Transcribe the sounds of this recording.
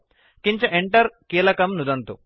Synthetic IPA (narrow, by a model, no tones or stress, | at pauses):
kiɲt͡ʃɐʔeɳʈɐɾkiːlɐkɐmnud̪ɐnt̪u